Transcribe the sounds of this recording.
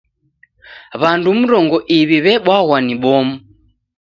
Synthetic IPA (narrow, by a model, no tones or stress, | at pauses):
βandum̩ɾɔŋɡɔʔiβiβɛɓwaɣwaniɓɔmu